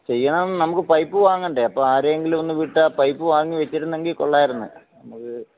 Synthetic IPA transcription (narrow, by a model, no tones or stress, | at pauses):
t͡ɕe̞jːɐɳaːnɐmukːɨpɐjpːɨʋaːŋːɐɳɖeɐpːoaːɾeeŋɡilmo̞nːɨʋiʈːapɐjpːɨʋaːŋːiʋɐt͡ɕːiʈunːe̞ŋɡilko̰ɭːaːjiɾunːɨ̰nɐmukːɨ